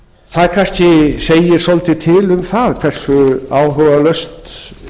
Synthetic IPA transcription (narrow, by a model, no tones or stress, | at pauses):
θaðkʰanscɪseːjɪɾ̥solt̪ɪt̪ʰɪlʏmθaðkʰv̥ɛr̥sʏaːwɦœvalœɥst̪